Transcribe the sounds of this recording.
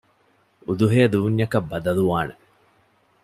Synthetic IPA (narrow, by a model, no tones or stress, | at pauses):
ud̪uɦeɐd̪uːɲːɐkɐbːɐd̪ɐluʋaːne